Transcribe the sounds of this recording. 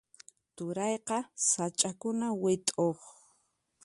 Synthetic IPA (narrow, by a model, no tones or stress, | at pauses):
t̪ʊɾɑjqɑsat͡ʃʼakʊnawɪt̪ʼoχ